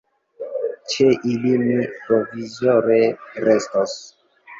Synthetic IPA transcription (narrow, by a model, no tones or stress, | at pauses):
t͡ʃeʔilimipɾovizoɾeɾestos